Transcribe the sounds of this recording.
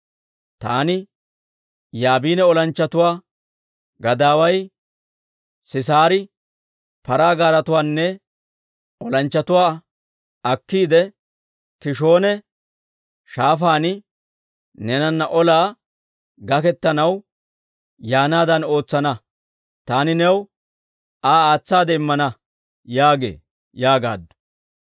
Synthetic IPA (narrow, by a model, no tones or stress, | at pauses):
t̪aːnɪ | jaːbiːnɛɔlɐnt͡ʃːɐt̪ʊwaː | ɡɐd̪aːwɐj | sɪs̬aːɾɪ | pɐɾaːɡaːɾɐt̪ʊwaːnːɛ | ɔlɐnt͡ʃːɐt̪ʊwaː | ɐkːiːd̪ɛ | kɪʃo̞ːnɛ | ʃaːfaːnɪ | nɛnɐnːɐʔɔlaː | ɡɐkɛt̪ːɐnɐw | jaːnaːd̪ɐno̞ːt͡sːɐnɐ | t̪aːnɪnɛw | aːaːt͡sːaːd̪ɛɪmːɐnɐ | jaːɡḛː | jaːɡa̰ːd̪ːʊ̥